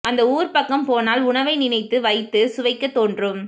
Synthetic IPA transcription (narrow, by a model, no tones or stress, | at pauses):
ʔɐnd̪ɐuːɾpɐkːɐmpoːnaːlʊɳɐʋɐɪnɪnɐɪt̪ːɯʋɐɪt̪ːɯsʊʋɐɪkːɐt̪ːoːndrɯm